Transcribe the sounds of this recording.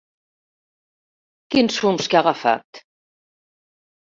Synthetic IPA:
kinsumskeaɣafa̰t̪

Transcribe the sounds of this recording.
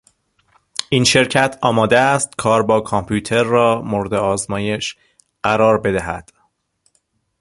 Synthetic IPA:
ʔiːnʃe̞ɾcʰæt̪ʰɒːmɒːd̪eæst̪kʰɒːɾbɒːkʰompʰuːt̪ʰe̞ɾːɒːmoɾd̪eɒːzmɒːje̞ʃ | ɢæɾɒːɾbe̞d̪æɦæ̰d̪̥

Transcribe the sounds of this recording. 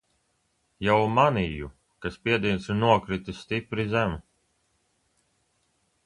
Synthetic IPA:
jawmaniju | kaspiɛd̪iːnsunuɔkɾit̪ist̪ipɾizæmu

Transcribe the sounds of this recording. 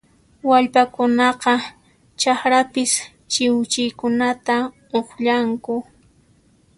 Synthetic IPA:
waʎpakʊnɑqɑ | t͡ʃaχɾapɪs | t͡ʃɪwt͡ʃɪjkʊnat̪a | oχʎaŋkʊ

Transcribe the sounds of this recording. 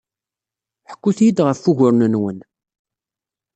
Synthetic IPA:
ħə̥kːuθjid̪ʁəfːuʝʊɾnənwən

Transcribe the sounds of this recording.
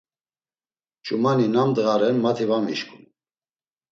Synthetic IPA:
t͡ʃʼumaninamd̪əɣaɾɛnmat̪ʰivamḭʃkʰʼum

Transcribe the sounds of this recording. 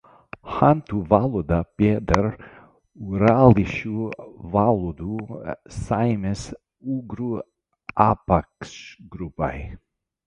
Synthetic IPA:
hant̪uvalud̪apeːd̪ɛɾ | uɾaliʃuvalud̪usajmɛs | uɡɾu | apaksɡɾupa̰j

